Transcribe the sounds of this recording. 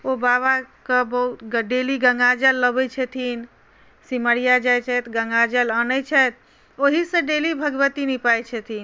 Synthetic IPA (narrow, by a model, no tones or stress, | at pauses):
obaβakəbəɦut̪ɡɖeliɡəŋɡad͡ʒəlːəbɛt͡ʃʰɛt̪ʰin | siməɽijad͡ʒajt͡ʃʰɛt̪ɡəŋɡad͡ʒələnəjt͡ʃʰɛt̪̚ʰ | oɦisə̃ɖelibʱəɡʋət̪inipajt͡ʃʰɛt̪ʰin